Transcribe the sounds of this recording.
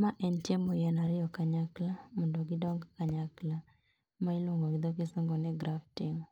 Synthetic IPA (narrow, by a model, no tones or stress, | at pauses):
maʔɛnt͡ʃemojɛnaɾɪjɔkaɲaklamɔndɔɡɪdɔŋɡkaɲakla | mailoŋɡɔɡɪd̪ɔkɪsɔŋɡɔnɛɡɾaftɪŋ